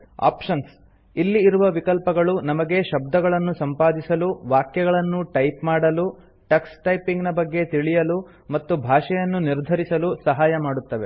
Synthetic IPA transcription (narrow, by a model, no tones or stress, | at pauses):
a̰ːpʂɐns | ilːiːɾuʋɐʋikɐlpɐɡɐɭunɐmɐɡe̞ʃɐb̚d̪ɐɡɐɭɐnːusɐmpaːd̪isɐluʋaːkjɐɡɐɭɐnːuʈɐjpmaːɽɐlu | ʈɐksʈɐjpiŋɡnɐbɐɡːe̞t̪iɭijɐlu | mɐt̪ːubʱaːʂɛjɐnːuniɾd̪ʱɐɾisɐlusɐɦaːjɐmaːɽut̪ːɐʋe̞